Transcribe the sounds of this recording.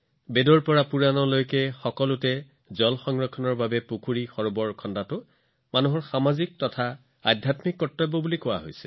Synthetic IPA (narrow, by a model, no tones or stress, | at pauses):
bedɔɹpɔɹapuɹanɔlojkɛxɔkɔlʊtɛ | zɔlxɔŋɹɔkʰːɔnɔɹbabɛpukʰuɹixɔɹʊbɔɹkʰɔndatʊ | manuɦɔɹxamazik̚tɔtʰa | adʱjatmikːɔtːɔjbɔbulikɔwa̰ɦojsɛ̥